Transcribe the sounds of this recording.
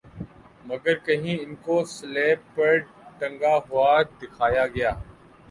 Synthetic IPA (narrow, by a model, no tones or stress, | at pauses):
mɐɡəɾkɐɦĩɪnkosleːpːɐɾ | ʈɐ̃ŋɡaɦʊaːd̪ɪkʰaːjaɡɐjaː